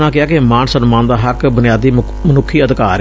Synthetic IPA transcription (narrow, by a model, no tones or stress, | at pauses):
nãːkɪaːkɪmaːnsənmãːnd̪aːɦəkbʊnɪjaːd̪iː | mənʊkʰːiːəd̪kaːɾ